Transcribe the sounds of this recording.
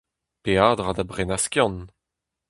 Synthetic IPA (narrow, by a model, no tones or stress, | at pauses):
peaːd̪ʁad̪abʁenaskjɑ̃n